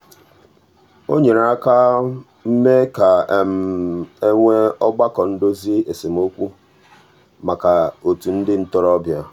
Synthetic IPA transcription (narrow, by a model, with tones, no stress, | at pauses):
o˦ɲe˨ɾa˦ka˦ | m̩˦me˦ka˨m˦e˦ŋʷe˦ɔ˦ɡ͡ba˦kɔ˨n̩˦do˦zi˦e˨se˨m̩˦o˦kʷu˦ | ma˨ka˨o˨tu˨n̩˦dɪ˦n̩˦tɔ˦ɾɔ˦bja˦